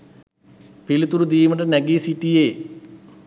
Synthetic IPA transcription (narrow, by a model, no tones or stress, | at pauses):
pilut̪ːuɾud̪iːmɐɳɖɐnɐɡiːsiʈːije